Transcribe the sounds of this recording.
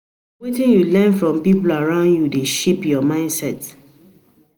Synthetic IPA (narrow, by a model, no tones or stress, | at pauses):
wetĩnjulɛ̃nfɹɔ̃mpipulaɹãʊ̃ndjudeʃepjɔmãɪ̃ndsɛt